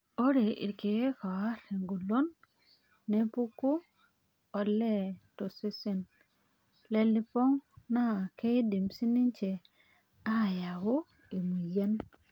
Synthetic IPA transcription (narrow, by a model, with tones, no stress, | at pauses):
o˦ɾe˨ḭ˨ɾke˨˦ka˨wa˦ɾe˨ŋɡu˨lo˦nː | e˦pu˦kːu˦ | o˨lːe˦˨to˨si˦si˦˨n | le˨li˨po˦ŋna˦˨ke˦di˨msi˦ni˦nt͡ʃe˨ | a˦˨ja˨ɡu˦ | i˨mu˨je˦n